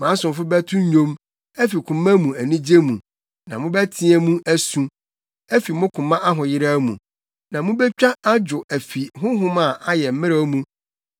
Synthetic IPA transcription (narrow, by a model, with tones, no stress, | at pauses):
mã˨˦sʊ̃˨m˨fʊ˦bæ˦tʰʊ̃˦ɲᶣõ˦m | æ˦fi˨kʰʊ̃˨mã˦mũ˨æ˨nĩ˦d͡ʑe˦mũ˨ | nã˨mʊ̃˦bæ˦tʰĩ˦æ˦mũ˦ʔæ˦sũ˦ | æ˦fi˨mʊ̃˦kʰʊ̃˨mã˦ʔa˦ɦʊ̃˨jɪ˦ɾa˦mṵ̃˨ | nã˨mʊ̃˦bɛ˦t͡ɕᶣa˦a˦d͡ʑʊ˨æ˨fi˨ɦʊ̃˦ɦʊ̃˦mã˦˨ʔa˦jɛ˨m̩˦mɪ̃˦ɾa˦mũ˨